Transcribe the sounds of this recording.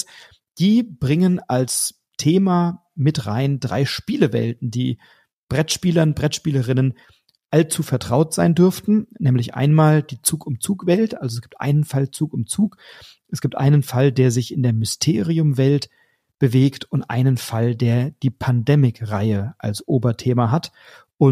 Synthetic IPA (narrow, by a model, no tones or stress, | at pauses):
d̥iːb̥ʁɪŋənals | tʰeːmaː | mɪtʁa̰ɪndʁa̰ɪʃpiːləvɛ̰ltn̩dḭː | b̥ʁɛtʃpiːlɐnbʁɛtʃpiːləʁɪnən | ʔalt͡suːfɛɐtʁ̥aʊtz̥aɪndʏɐftn̩nɛːmlɪçʔa̰ɪnmaːld̥iːt͡suːkʊmt͡suːkv̥ɛltʔalzoɛsɡ̥iːp̚tʔa̰ɪnənfalt͡suːkʊmt͡suːk | ʔɛsɡ̥iːp̚tʔa̰ɪnənfaldeːɐzɪçɪndeːɐmʏstʰeːʁiʊmvɛlt | b̥əveːktʊntʔa̰ɪnənfaldeːɐd̥iːpʰandɛːmɪkʁaɪəʔa̰lsʔoːbɐtʰeːmaɦat | ʔʊ